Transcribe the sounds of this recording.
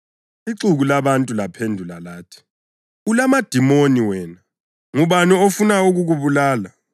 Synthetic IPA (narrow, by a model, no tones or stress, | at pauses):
iǀuɣulaβantʼulapʰendʱulalaːtʰi̥ | ulamad̥ʱimoniwɛːna | ŋuβaniofunauɣuɣuβulaːla